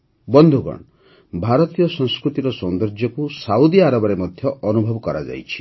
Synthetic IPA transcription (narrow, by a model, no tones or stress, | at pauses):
bɔnd̪ʱuɡɔ̰ɳ | bʱaɾɔt̪ijɔsɔ̃ŋskɾut̪iɾɔsɔnd̪ɾɔd͡ʒjɔkusaud̪iaɾabɔɾemɔd̪ʱjɔʔɔnubʱɔbɔkɔɾa̰d͡ʒa̰jt͡ʃʰi̥